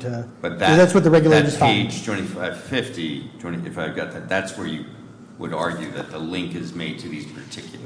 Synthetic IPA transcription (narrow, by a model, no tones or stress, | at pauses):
b̥ʌt̪̚ðɨðætswʌt̪̚ðəɹɛɡjl̩ˠeɪɾʰeɪd͡ʒtʰw̥ɛ̃ñifaɪv̥fɪftitʰwɛ̃ñiɨfaɪvɡɑt̪̚ðɨt̪̚ðætswə˞jɨ | wə̰ɾɑɹɡjʉðɨt̪̚ðəlɪ̃ŋkɨzmeɪd̚tʰɨðiz̥pʰə˞tʰɪkʰjl̩ˠə